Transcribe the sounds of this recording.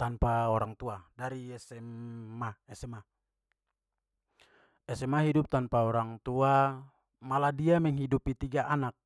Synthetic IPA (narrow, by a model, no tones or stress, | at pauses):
t̪anpaɔɾaŋt̪uadaɾiɛsɛmmːaɛsɛma | ɛsɛmaɦidup̚t̪anpaɔɾaŋt̪ua | maladiamɛŋɦidupit̪iɡaʔanak̚